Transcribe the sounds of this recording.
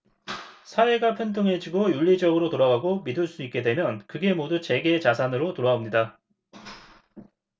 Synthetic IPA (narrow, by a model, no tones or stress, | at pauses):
sʰae̞ɡapʰjʌndoŋɦe̞d͡ʑiɡojuʎːid͡ʑʌɡɯɾotoɾaɡaɡomidɯɭs͈uik͈e̞dwe̞mjʌnkɯɡe̞modut͡ɕe̞ɡeːt͡ɕasʰanɯɾotoɾaomɲida